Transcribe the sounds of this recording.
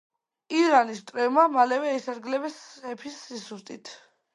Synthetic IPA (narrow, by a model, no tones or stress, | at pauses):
iɾanist̪ʼɾɛvmamalɛvɛisaɾɡlɛbɛsɛpʰisːisust̪ʼit̪ʰ